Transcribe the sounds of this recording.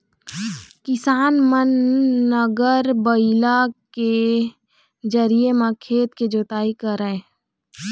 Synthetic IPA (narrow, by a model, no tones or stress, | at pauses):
kɪsaːnmənːəɡəɾbəɪlake | d͡ʒəɾiemãkʰeːt̪ked͡ʒoːt̪aːikəɾəẽː